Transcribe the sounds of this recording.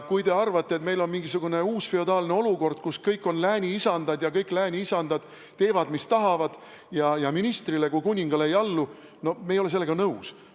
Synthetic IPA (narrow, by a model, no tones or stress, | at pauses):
kujt̪e̞ɑrvɑt̪ːe̞t̪me̞jlo̞nmiŋɡisuɡ̥une̞uːsfio̞d̪ɑːlne̞o̞luko̞rd̪̥kuskɤjkːˑo̞nlæːnʲiisɑnd̪ɑd̪jɑkɤjkːlæːnʲiisɑnd̪̥ɑd̪̥ | t̪e̞ːvɑd̪mist̪ɑɦɑvɑd̪̥ | jɑjɑminist̪rile̞kujkunʲːiŋɡ̥ɑleejɑlːu | no̞mejo̞le̞selːeɡ̥ɑnɤus